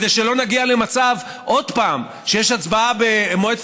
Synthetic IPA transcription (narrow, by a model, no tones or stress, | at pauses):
d̪ejʃelo̞naɡialemat͡sav | ʔo̞d̪paːm | ʃejeʃat͡sbaabeːmoet̪